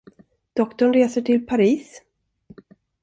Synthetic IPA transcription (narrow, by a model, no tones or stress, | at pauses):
d̪̥ɔkt̪ɔɳɾeːsəʈʰɪlpʰaɾiːs